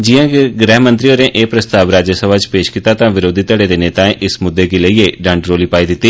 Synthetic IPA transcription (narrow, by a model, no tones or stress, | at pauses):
d͡ʒijãːkɡɾɛːɦmə̃nt̪ɾioːɾẽːʔeːpɾəst̪aːʋɾaːd͡ʒəsəʋaːt͡ʃpeːʃkiːt̪aːt̪ãːʋɪɾoːd̪ʱit̪ːəɽeːd̪eːneːt̪ãːẽːʔɪsmʊd̪ːeːɡiːləiːeːɖə̃ɳɖɾoːliːpaːiːd̪ɪt̪ːiː